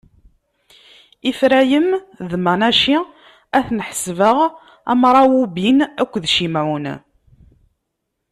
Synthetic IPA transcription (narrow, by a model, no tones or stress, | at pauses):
ifɾæjəmðmænæʃi | æθnəħə̥svəʁ | æ̰mɾˤɑwubinækʷːðʃimʕʊn